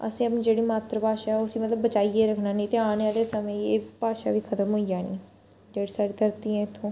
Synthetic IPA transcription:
ə̰sĩːəp̬nĩːd͡ʒeːɽiːmaːt̪ɾəpaːʃaːɛʊsiːmət̪ləbːət͡ʃaːieːɾəkʰnaːnĩːt̪eːaːnaːleːsəmẽːeːpaːʃa̰ːʋiːkʰət̪əmɦoːid͡ʒaːnḭ̃ː | d͡ʒeːɽiːsəɾkəɾt̪iːɛ̃ːɪt̪ʰːõː

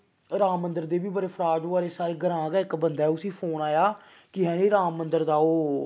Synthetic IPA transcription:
ɾaːmːənd̪əɾd̪eːbiːbəɾeːpʰɾaːd͡ʒoːaːɾeːsaːɾeːɡəɾãːɡaːɪkbənd̪aɛːʊsĩːpʰoːnaːjaː | kɪɦɛ̃ːnẽːɾaːmːənd̪əɾd̪aːoː

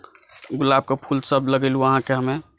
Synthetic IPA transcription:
ɡulab̚kepʰulsəbləɡeluəɦãkeɦəme

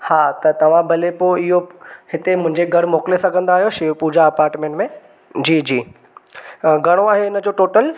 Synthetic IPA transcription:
haːt̪ɐt̪ɐʋ̤ãbʱɐlepoːɪɦohɪt̪emʊ̃ɦɪ̃ɲd͡ʑeɡʱɐɽmɔːkɪlesɐ̃ɡʱɐ̃nd̪aːɦijoʃipuːd͡ʑaɐpaːɾʈmẽːɳʈmẽ | d͡ʑiːd͡ʑiː | ɡɐɽ̃oaːɦeɪnə̆d͡ʑoːʈoːʈəl

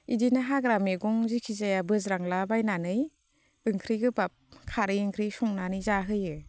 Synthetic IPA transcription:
idinaɦaɡɾameɡɔŋzikʰizajabɯzɾaŋlabajnanɯj | ɯŋkʰɾiɡɯbap̚kʰaɾɯjɯŋkʰɾisɔŋnanɯjzaɦɯjɯ

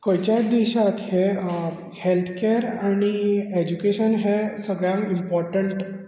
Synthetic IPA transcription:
kojt͡ɕad̪eɕat̪he | helt̪ʰkeɾañied͡ʑukeɕənɦesəɡɭjãŋkimpɔɾʈəɳʈ

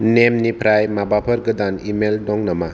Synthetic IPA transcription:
nemnipʰɾajmabapʰɐɾɡɯdanimeldɔŋnama

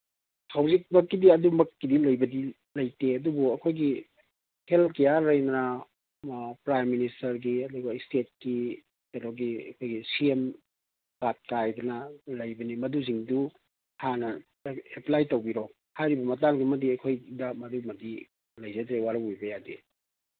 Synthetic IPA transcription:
hawzik̚mɐkːidiɐdumɐkːidilɐjbɐdi | lɐjteɐdubuɐkʰojɡi | helkɐjaɾajnnɐ | pɾajministɐɾɡiɐduɡɐstet̚ki | kɐdɔɡiɐ̰kʰojɡisiem | kat̚kajdɐnɐlɐjbɐnimɐduziŋdu | hʰanɐ | eplajtowbiɾo | hajɾibɐmɐtaŋɡimɐdiɐkʰojdamɐdumɐdi | lɐjzɐtɾewaɾɐwujbɐjadi

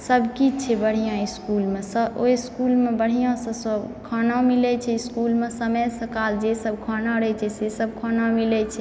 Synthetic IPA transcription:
səbʱkit͡ʃʰɛbəɽ̤ijãiskulmesəojskulmebəɽ̤ijãsə̃səbkʰənãmilɛt͡ʃʰɛiskulmesəməjsəkald͡ʒesəbkʰənaɾəɛt͡ʃʰɛsesəb̚kʰənamilɛt͡ʃʰɛ

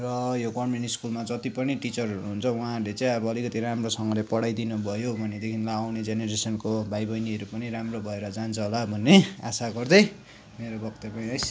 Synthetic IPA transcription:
rʌjokʌrmeniskulmad͡zʌt̪ipʌniʈit͡sʌrɦʌɾuɦunt͡sʰʌw̃ãlet͡saj̃ʌbʌːlikʌt̪iɾamrosʌŋɡʌlepʌɽajd̪inubʱʌjobʱʌned̪ekʰinlaawned͡zeneɾesʌnkobʱajbʌjniʌɾupʌniɾamrobʱʌeɾʌd͡zant͡sʰʌɦolabʱʌnːeasaɡʌrd̪ʌj | meɾobʌkt̪epʌĩʌjs

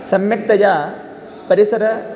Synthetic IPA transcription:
sɐmjɐkt̪ɐjaː | pɐɾisɐɾɐ

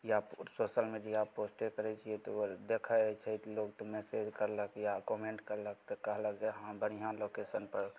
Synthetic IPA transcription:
jasosəlmiɖijaposʈekəɾɛt͡ʃʰiɛt̪ɔod̪ekʰət͡ʃʰɛt̪loɡt̪ɔmesed͡ʒkəɾləkjakɔmeɳʈkəɾlək̚t̪ɔkəɦləɡd͡ʒaɦãbəɽ̃iɦãlokesənpəɾ

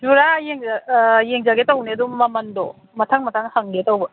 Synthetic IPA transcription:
d͡ʒuɾajeŋajeŋzaɡetɐwneɐduŋːɐmɐndo̰ | mɐtʰaŋmɐtʰaŋhaŋɡetawbɐ

